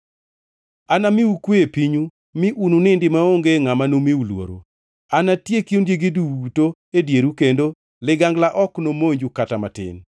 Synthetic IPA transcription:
anamɪukweepiɲu | mɪʔununɪndɪmaoŋɡeŋamanomeulwo̰ɾo̰ | anatjekindjeɡiduto | edjeɾukendo | lɪɡaŋɡlaʔɔknomoɲd͡ʒukatamatɪ̰n

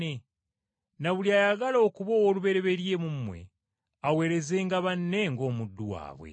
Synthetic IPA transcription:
e | naβuliaːjaɡalo̞ːkuβowoluβe̞ɾe̞βe̞ɾje̞mummwe̞̰ | awe̞ːɾe̞zeːŋɡaβanːe̞ŋɡo̞ːmudːuwa̰ːβwḛ

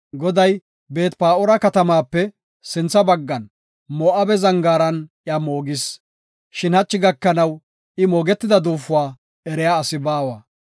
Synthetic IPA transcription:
ɡɔd̪ɐj | be̞ːt̪paːʔɔɾɐkɐt̪ɐmaːpːɛ | sɪnt͡sːɐbɐɡːɐn | mɔʔɐbɛzɐŋɡaːɾɐnʔjamoːɡɪs | ʃɪnhɐt͡ʃːɪɡɐkːɐnɐw | ɪmoːɡɛt̪ːɪd̪ɐd̪uːfːʊwaː | ɛɾɛjaːsɪbaːwɐ

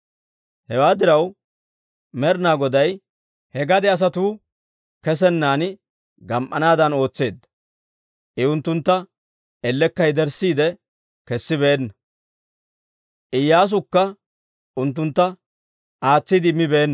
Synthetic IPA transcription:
hɛwaːd̪ɪɾɐw | mɛɾnaːɡɔd̪ɐj | hɛɡɐd̪ɛɐs̬ɐt̪uː | kɛs̬ɛnːaːn | ɡɐmʔɐnaːd̪ɐno̞ːt͡sːe̞ːd̪ːɐ | ʔɪʊnt̪ːʊnt̪ːɐ | ɛlːɛkːɐjd̪ɛɾsiːd̪ɛ | kɛsːɪbeːnːɐ | ʔɪjːaːs̬ʊkːɐ | ʊnt̪̬ːʊnt̪ːɐ | ʔaːt͡sːid̪ɪmːɪbeːnː

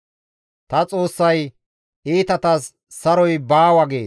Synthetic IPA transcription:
t̪ɐt͡sʼo̞ːsːɐj | iːt̪ɐt̪ɐsː | ɐɾɔjbaːwɐɡe̞̰ːs

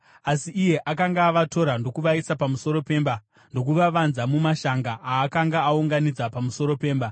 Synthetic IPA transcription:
asiʔːje̞ʔakaŋɡaːʋato̞ɾando̞kuʋaisapamuso̞ɾo̞pe̞mba | ndo̞k̬uʋaʋanzamumaʃaŋɡaʔːkaŋɡaːuŋɡanid͡zapamuso̞ɾo̞pe̞ːmba

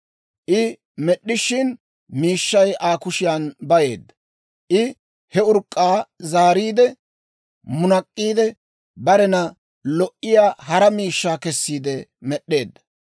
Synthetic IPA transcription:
ʔɪ | mɛɗːɪʃɪn | miːʃːɐjʔaːkʊʃɪjanbɐje̞ːd̪ːɐ | ʔɪ | hɛʊɾkʼːaːzaːɾiːd̪ɛ | mʊnɐkʼːiːd̪ɛ | bɐɾɛnɐ | lɔʔɪjaːɦɐɾɐmiːʃːaːkɛsːiːd̪ɛmɛɗːe̞ːd̪ːɐ

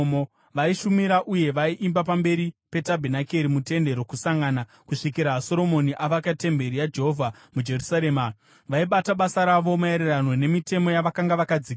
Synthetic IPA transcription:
mo | ʋaiʃumiɾaʔuje̞ʋaiʔimbapambe̞ɾipe̞tabʱenakeɾimute̞nde̞ɾo̞kusaŋɡana | kuʂikiɾaːso̞ɾo̞mo̞niʔaʋakate̞mbe̞ɾijad͡ʒe̞ɦovʱa | mud͡ʒe̞rusaɾeːma | ʋaiɓataɓasaɾaʋo̞mae̞ɾerano̞ne̞mite̞mo̞jaʋakaŋɡaʋakad͡zik

